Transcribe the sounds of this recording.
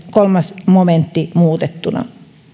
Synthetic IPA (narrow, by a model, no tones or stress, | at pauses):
kolmɑsmoment̪ːimuːt̪et̪ːunɑ̰